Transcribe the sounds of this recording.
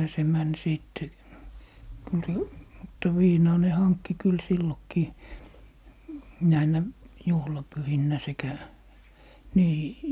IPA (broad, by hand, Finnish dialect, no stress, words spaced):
se mæn siˑtːe kyl se mutːɑ ʋiːnɑː ne hɑnkːi kyl silːokːiː næinæ juhlɑpyhinːæ sekæ niː